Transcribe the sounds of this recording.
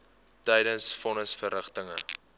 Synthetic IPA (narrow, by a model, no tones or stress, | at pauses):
təjdənsfɔnəsfərəχtəŋə